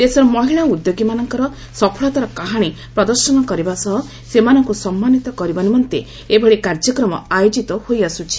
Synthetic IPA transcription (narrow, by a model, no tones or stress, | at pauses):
d̪esɔɾɔmɔɦiɭaud̪joɡimanɔŋkɔɾɔ | sɔpʰɔɭat̪ɔɾɔkaɦaɽ̃i | pɾɔd̪ɔɾsɔnɔkɔɾibasɔɦɔ | semanɔŋkusɔmːanit̪ɔkɔɾibanimɔnt̪e | ebʱɔɽɭikaɾd͡ʒɔkɾɔmɔ̰ajod͡ʒit̪ɔhojasut͡ʃʰi̥